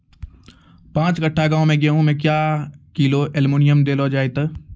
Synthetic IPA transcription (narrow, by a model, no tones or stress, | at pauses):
pãːt͡ʃɡəʈʰːaɡãːõmẽɡjeɦũmɛ̃ːk̬jaːkiːloʔɛlmoːnɪjəmd̪eːlod͡ʒaːet̪a